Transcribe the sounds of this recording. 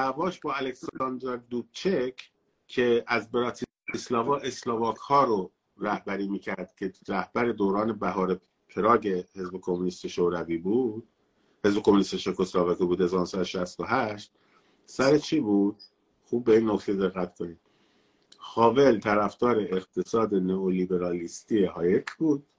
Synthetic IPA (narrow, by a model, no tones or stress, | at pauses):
nævɒːʃbɒːælekslɑnd̪ɑɾd̪ut͡ʃʰekʰ | kʰːe̞æzbeɾɒːt̪ʰi | eslɑːvɒːʔe̞slɑːvɒːkʰhɒːɾo | ɾæhbæɾiːmiːcʰæɾd̪̥cʰe̞ɾæhbæɾe̞d̪oːɾɒːne̞bæɦɒːɾe | pʰeɾɒːɟe̞he̞zbekʰomːuniːst̪oʃoɾæviːbuːd̪̥ | hezbe̞kʰomunist̪eʃekʰoslɑːvɑkiːbuːd̪ezɑːnsæd̪oʃæst̪o̞ɦæʃt̪̚ | sæɾet͡ʃʰiːbuːd̪̥̚ | xuːb̚ːe̞iːnːokt̪ʰed̪e̞ɣːæt̪kʰo̞niːd̪̥ | xɒːve̞lt̪ʰæɾæfd̪̥ɒːɾe̞eɣt̪ʰe̞sɒːd̪e̞neoliːbe̞ɾɒːlist̪iːeɦɒːjet̪ʰbuːd̪̥̚